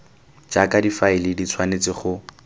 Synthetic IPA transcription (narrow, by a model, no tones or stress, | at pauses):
t͡ʃakadifaɪlɪdit͡sʰwanet͡sɪχʊ